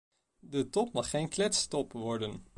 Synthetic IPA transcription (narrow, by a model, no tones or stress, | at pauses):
dətɔpmɑχːejnklɛtstɔpʋɔɹdən